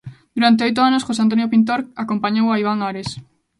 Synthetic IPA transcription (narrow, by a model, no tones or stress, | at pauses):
d̪uɾant̪̬eojt̪̬ʊanosxos̬eant̪onjopint̪̬oɾakompaɲowaiβaŋaɾes